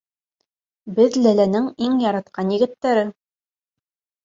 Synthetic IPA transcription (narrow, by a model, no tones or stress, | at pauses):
bɘðlælænɘŋiŋjɑɾɑt̪̚qɑnjɘ̆ɡɘ̆t̪ːæɾɘ